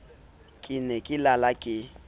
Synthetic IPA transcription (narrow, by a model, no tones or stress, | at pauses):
kʼɪnɛkʼɪlalakʼɪ